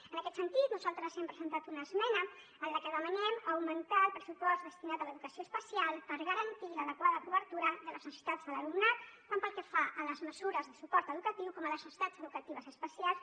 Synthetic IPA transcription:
ənəkɛt̪sənt̪it̪nuzalˠt̪ɾəzɛmpɾəzənt̪at̪unəːzmɛnə | ənləkəðəmənɛməwmənt̪aəlˠpɾəsupɔzd̪əst̪inat̪ələðukəsioəspəsialˠpəɾɣəɾənt̪iləðəkwaðəkuβəɾt̪uɾəðələzəsi̥t̪ad͡zðələlumnat̪t̪ampəlˠkəfaʔələzməzuɾəzðəsupɔɾt̪əðukət̪iwkɔmələsəsi̥t̪ad͡zəðukət̪iβ̞əzəspəsialˠs

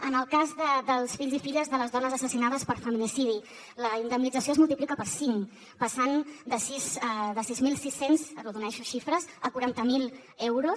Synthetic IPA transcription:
ənəlˠkazðəd̪əlˠsfiʎzifiʎəzðələzðɔnəzəsəsinaðəspəɾfəminisiði | ləind̪əmnid͡zəsioezmulˠt̪iplikəpəɾsiŋ | pəsand̪əsizðəsizmilˠsisenzəruðunɛʃuʃifɾəzəkuɾant̪əmilˠ | ɛwɾus

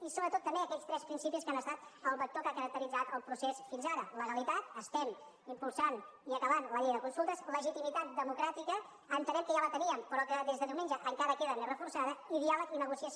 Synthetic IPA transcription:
isoβɾət̪ot̪ːəmbeəkɛst̪ɾɛspɾinsipiskanəst̪at̪əlˠβək̚t̪okakəɾək̚t̪əɾid͡zat̪əlˠpɾusesfinzaɾələɣəlit̪at̪əst̪ɛm | impulˠsaniəkəβanləʎejðəkunsulˠt̪əzləʒit̪imit̪at̪̚d̪əmukɾat̪ikəː | nt̪ənɛmkəʒalət̪əniəmpɾɔkəðezðəðiwmend͡ʒəʔəŋkaɾəkeðənerəfuɾsaðəiðialəkinəɣusiəs

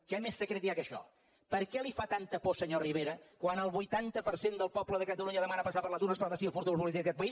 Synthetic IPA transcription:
kɛmesːəkɾet̪iakəʃɔ̰ | pəɾkɛlifat̪ant̪əposəɲoriβ̞eɾəkwanəlˠβujt̪ant̪əpəɾsend̪əlˠpɔpləðəkət̪əluɲəðəmanəpəsapəɾlət̪unəspəɾt̪əsiəfuɾt̪uβɾp̬ulit̪ikðəkɛt̪̚pəis

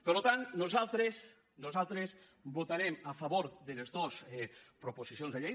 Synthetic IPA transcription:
peɾlot̪annosalˠt̪ɾes | nozalˠt̪ɾes | bot̪aɾemafaβoɾðelezðosɛpɾoposisjonzðeʎej

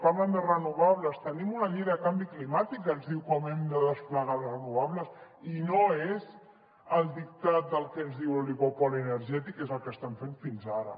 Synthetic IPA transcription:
paɾləmezrənuβaβləst̪ənimunəʎiðːkambiklimat̪ikənzðiwkɔmɛmd̪əðəspləɣalsrənuβ̞aβləs | inoez | əlˠd̪ik̚t̪at̪̚d̪əlˠkənzðiwəliɣopɔliənəɾʒɛt̪ikezəlˠkəst̪ɛmfeɱfinzaɾə̰

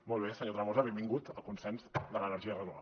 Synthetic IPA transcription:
mɔlˠβ̞esəɲot̪ɾəβozəβembiŋɡut̪əlˠkunsɛnzd̪ələnəɾʒiərəðua̰

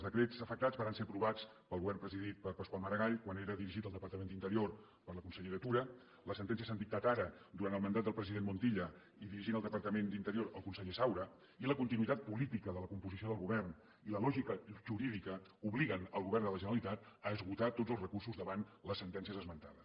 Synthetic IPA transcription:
zðəkɾezəfək̚t̪azβaɾanseɾəpɾuβat͡s | pəlˠɣuβɛrmpɾəziðit̪̚pəɾpəskwalˠməɾəɣaʎkwaneɾəðiɾiʒit̪əlˠd̪əpəɾt̪əmend̪int̪əɾior | pəɾləkunsəʎeɾət̪uɾə | ləsənt̪ɛnsiəsand̪ik̚t̪at̪aɾəd̪uɾant̪əlˠmənd̪at̪̚d̪əlˠpɾəziðenmunt̪iʎə | iðiɾiʒinəlˠd̪əpəɾt̪əmend̪int̪əɾioɾəlˠkunsəʎesawɾə | iləkunt̪inuit̪at̪̚pulit̪ikəðələkumpuzisioðəlˠɣuβɛrn | iləlɔʒikəʒuɾiðikəuβliɣənəlˠɣuβɛrnd̪ələʒənəɾəlit̪at̪əːzɣut̪at̪odzəlˠzrəkursuzðəβanləsːənt̪ɛnsiəzəzmənt̪aðəs

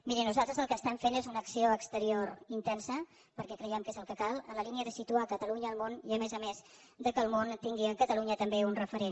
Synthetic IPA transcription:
miɾinuzalˠt̪ɾəzəlˠkəst̪ɛɱfenezunəksioəkst̪əɾioɾint̪ɛnsə | pəɾkɛkɾəjɛmkezəlˠkəkalˠələliniəðəsit̪uakət̪əluɲəːlˠmoniəmezəmez | ðəkəːlˠmont̪iŋɡiəkət̪əluɲət̪əmbeunrəfəɾen

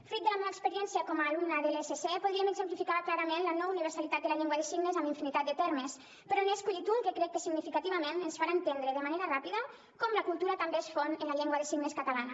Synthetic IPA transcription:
fɾit̪̚d̪əlameβaekspəɾijɛnsiakɔmalumnaðelesesepuð̞ɾieəmeɡzẽmplifikaβklaɾɐmenlənɔuniβ̞əɾsalit̪at̪d̪elaʎeŋɡwaðesiɡnezambiɱfinit̪at̪̚d̪ət̪ɛɾmes | pəɾɔneskuʎit̪uŋkekɾɛkːesiɡnifikat̪iβamenensfaɾant̪end̪ɾeðəmaneɾarapiðə | kɔmləkulˠt̪uɾat̪ambeesfonelaʎɛŋɡwaðesiɡneskat̪alana

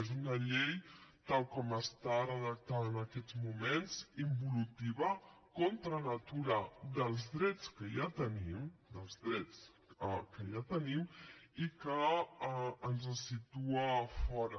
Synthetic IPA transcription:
ezunəʎejt̪alˠkɔməst̪aɾəðək̚t̪aðəːnəkɛd͡zmumenzimbulut̪iβa | kont̪ɾənət̪uɾəd̪əlˠzðɾɛt͡skəjat̪ənimd̪əlˠzðɾɛt͡s | əkəʎat̪ənimikəː | nzəsit̪uəfɔɾə

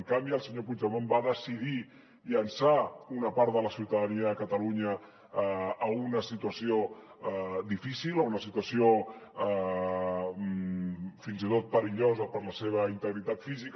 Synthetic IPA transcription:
əŋkambiəlˠsəɲopud͡ʒəmombaðəsið̞i | ʎənsaunəpaɾt̪ðələsiwt̪əðəniəəkət̪əluɲəː | unəsit̪uəsio | d̪ifisiləunəsit̪uəsio | finzit̪ot̪̚pəɾiʎozəpəɾləseβ̞əint̪əɣɾit̪at̪fizik

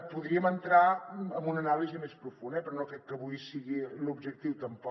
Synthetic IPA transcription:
puðɾiəmənt̪ɾaəmbunənalizəmespɾufunɛpɾɔnokɾɛkkːəβujsiɣilubʒək̚t̪iwt̪əmpɔ

